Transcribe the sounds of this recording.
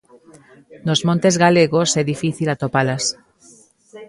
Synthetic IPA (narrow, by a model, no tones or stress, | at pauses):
nozmõnt̪ezɣaleɣosɛðifiθilat̪opalas